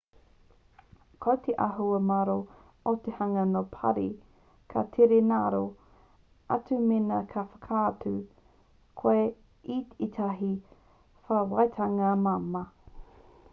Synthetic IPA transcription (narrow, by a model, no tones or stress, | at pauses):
kʰowt̪ʰeʔaɦuɐmaɾo | ot̪ehɐŋɐnopʰɐ̰ɾi | kʰatʰeɾenaɾo | a̰tumenɐkʰafɐ̥kʰaːtu | kʰoe | ititʰaɦi | fawajtʰaŋɐmamɐ